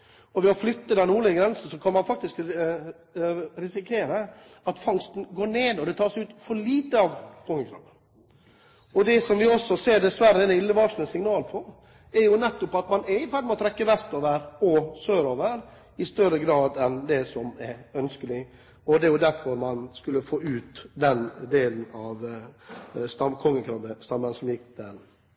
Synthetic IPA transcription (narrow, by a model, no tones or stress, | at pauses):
ɔʋɪɔflʏt̪ːəd̪ɛnuːɭɪəɡɾɛnsəsɔkʰɑnmɑnfɑk̚t̪ɪsk | ɾɪsɪkʰeːɾə | ɑt̪fɑŋst̪n̩ɡoːɳeːd̪ɔd̪ɛt̪ʰɑːʂɛɪʉːt̪fɔɭiːt̪əɑʋt̪ʰʊŋːəkʰɾɑ̰ʋə | ɔd̪ɛsɔmʋɪɔsːɔseːɖ̪ɛsʋæɾəɛnɪlːəʋɑːʂnəsɪŋnɑːlpʰɔ | ɛɾjʊnɛt̪ːʊpɑt̪mɑnɛɾɪfæɖ̪mɔt̪ʰɾɛkːəʋɛst̪oːʋəɾɔsøːɾoːʋəɾ | ɪst̪œɾəɡɾɑːd̪ɛnd̪ɛsɔmɛɾœnskəlɪ | ɔd̪ɛæɾjʊd̪æɾfɔɾmɑnskʉlːəfoːʉːt̪d̪ɛnd̪eːln̩ɑʋ | st̪ɑkʰɔŋːəkʰɾɑbəst̪ɑmːənsɔmjɪkːd̪ɛn